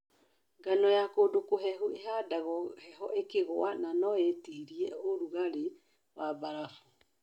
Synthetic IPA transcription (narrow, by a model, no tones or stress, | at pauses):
ŋɡanɔjakodokoɦɛɦueɦadaɣɔhɛɦɔʔekeɣoananɔetiːɾiɛoɾuɣaɾe | wabaɾafu